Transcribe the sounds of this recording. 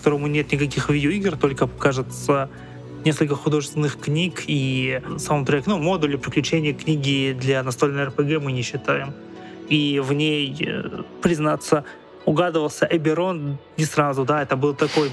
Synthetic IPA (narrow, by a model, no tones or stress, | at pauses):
kkɐ̥t̪o̞ɾəmʊnʲe̞t̪nʲɪkɐkʲixvʲidʲoiɡrt̪o̞lʲkəkaʐɨt̪sə | nʲeskəlʲkəxʊd̪o̞ʐɨst̪ʲɪnːɨxknʲikisaʊnt̪ɾɛkʲnumo̞d̪ʊlʲɪpɾʲɪklʲʉt͡ɕenʲɪjəknʲiɡʲɪd̪lʲanɐst̪olʲnəɛrpəɡɛmɨnʲɪɕːɪt̪ajɪm | ivnʲejpɾʲɪznat̪sːə | ʊɡad̪ɨvəlˠsʲəʔɐbʲɪɾo̞nnʲɪsrazʊd̪aɛt̪əbɨlˠt̪ɐko̞j